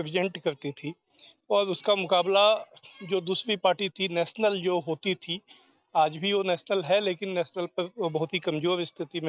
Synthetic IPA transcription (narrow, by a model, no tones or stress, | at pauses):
ɪʋɪd͡ʒə̃ɳʈkɐɾt̪it̪ʰi | ɔːɾʊskamʊkaːblad͡ʒoːd̪uːsɾipaːɾʈit̪ʰinɛːʃnəld͡ʒoːɦoːt̪it̪ʰi | aːd͡ʒbʱiʋonɛːʃnəlɦɛleːkɪnːɛːsnəlpɐɾbɐɦʊt̪ɦikɐ̃md͡ʒoːɾɪst̪ʰɪt̪imẽ